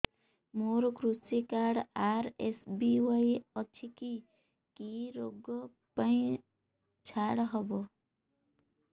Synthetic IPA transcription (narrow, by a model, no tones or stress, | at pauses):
moɾkɾusikaɽaɾesbiwajʌt͡ʃʰiki | kiɾoɡːʌ | paĩ | t͡ʃʰaɽɦʌbʌ